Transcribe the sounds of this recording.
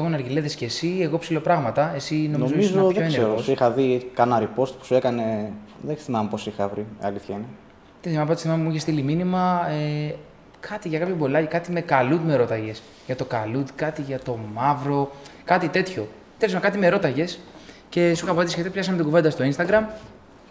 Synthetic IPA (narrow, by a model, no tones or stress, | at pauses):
eɣonɐɾʝileðescesieɣo̞psilopɾɐɣmɐt̪ɐe̞sinomnozomiszoðoeneeɾɾooosixɐðikɐnɐɾipost̪pu̥suekɐne | ðeθimɐmeposixɐvɾiɐ̰liθçɐine | t̪esθimɐmpːt̪sθimɐmemuiçest̪iliminimɐe | kʰɐt̪iʝɐkɐpçobolɐcikɐt̪ime̞kɐlud̪meɾo̞t̪ɐʝe̞s | ʝɐt̪o̞kɐlut̪kɐt̪iʝɐt̪o̞mɐvɾo̞kɐt̪it̪e̞t̪ço̞ | θelismnkɐt̪ime̞ɾo̞t̪ɐʝe̞sce̞suixɐpɐt̪isçet̪ipçɐsɐmet̪oɡuve̞nd̪ɐst̪o̞inst̪ɐɡɾɐm